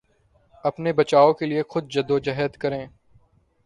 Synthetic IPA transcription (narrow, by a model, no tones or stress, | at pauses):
ɐpnebɐt͡ʃaːokeliexʊd̪̚d͡ʒɐd̪od͡ʒɐɦəd̪kɐɾẽː